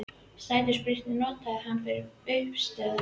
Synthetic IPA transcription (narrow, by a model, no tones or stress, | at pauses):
saːjt̪ɪɾspɾir̥t̪nɪnɔːt̪ahanːfɪɾɪɾœɥpst̪ɛːð